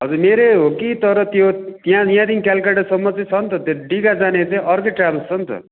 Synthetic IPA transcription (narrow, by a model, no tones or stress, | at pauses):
ɦʌd͡zurmeɾeɦokit̪ʌɾʌt̪jot̪ijãjãd̪inkalkaʈʌsʌmːʌt͡sʌ̃t͡sʰʌnt̪ʰʌt̪joɖiɡad͡zanet͡saĩʌrkeʈrablst͡sʰʌnt̪ʰʌ̰